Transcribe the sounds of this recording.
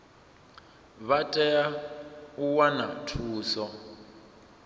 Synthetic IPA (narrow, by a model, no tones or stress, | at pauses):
βatʼɛjauwana̰tʰuːsɔ